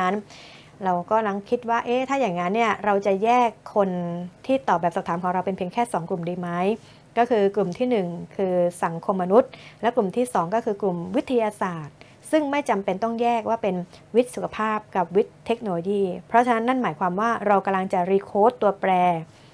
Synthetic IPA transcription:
a˦˥n | ɾa˧wkɔː˥˩la˧˥ŋkʰi˦˥t̪̚waː˥˩ʔeː˦˥t̪ʰaː˥˩jaː˨˩ŋːa˦˥nːi˥˩ɐɾa˧wt͡ɕa˨˩jɛː˥˩kʰːo˧nt̪ʰiː˥˩t̪ɔː˨˩p̚bɛː˨˩p̚sa˨˩pt̪ʰaː˩˦mkʰɔː˩˦ŋɾa˧wpe˧npʰi˧əŋkʰɛː˥˩sɔː˩˦ŋklu˨˩mdiː˧ma˦˥j | kɔː˥˩kʰɯː˧klu˨˩mt̪ʰiː˥˩nɯ˨˩ŋkʰɯː˧sa˩˦ŋkʰo˧mːa˧nu˦˥t̪̚lɛ˦˥klu˨˩mt̪ʰiː˥˩sɔː˩˦ŋkɔː˥˩kʰɯː˧klu˨˩mwi˦˥t̪ʰːa˧jaː˧saː˨˩t̪̚ | sɯ˥˩ŋma˥˩jt͡ɕa˧mpe˧nt̪ɔ˥˩ŋjɛː˥˩k̚waː˥˩pe˧n | wi˦˥t̪̚su˨˩kʰa˧pʰaː˥˩p̚ka˨˩p̚wi˦˥t̪ʰːe˦˥k̚noː˧loː˧jiː˥˩pʰɾɔ˦˥t͡ɕʰa˧na˦˥nːa˥˩nmaː˩˦jkʰwaː˧mwaː˥˩ɾa˧wka˧mla˧ŋt͡ɕa˨˩ɾiː˧kʰoː˦˥t̪ːu˧ɐpɾɛː˧

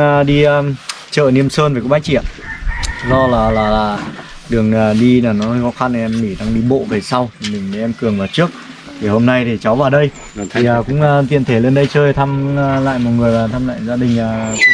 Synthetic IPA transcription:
ɗi˧ | t͡ɕə̰ː˧˨ni˧əmsəː˧nve˨˩k̚ːɓaː˧˦jt͡ɕḭ˧˨ən | zɔ˧laː˨˩laː˨˩laː˨˩ | ɗɨ˨˩əŋaː˨˩ɗi˧laː˨˩nɔ˨˦˧jxɔ˨˦xa˧n˨ɛ˧mːi˧˩ɗaː˧ŋɗi˧ɓo̰˧˨ve˨˩sa˧wt̪ʰi˨˩mï˨˩ŋ̟me˨˦ʔɛ˧mkɨ˨˩əŋvaː˨˩wt͡ɕɨ˦˥ək̚ | t̪ʰi˨˩ho˧mna˧jt̪ʰi˨˩t͡ɕa˨˦wvaː˨˩wɗə˧j | t̪ʰi˨˩aː˨˩kʊ̰˧˥ŋ͡mt̪i˧˩ənt̪ʰe˧˩le˧nɗə˧jt͡ɕəː˧jt̪ʰa˧mː˧la̰ː˧˨jmɔ̰˨˩ŋɨ˨˩əjlaː˨˩t̪ʰa˧mla̰ː˧˨jzaː˧ɗï˨˩ŋ̟aː˨˩˧

